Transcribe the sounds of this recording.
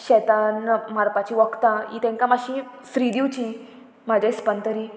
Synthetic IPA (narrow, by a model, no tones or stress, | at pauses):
ɕɛt̪anmaɾpat͡ɕiʋəkt̪ãḭt̪ɛ̃ŋkamaɕĩ | sɾid̪iwt͡ɕĩ | m̤ad͡ʑʱespənt̪əɾi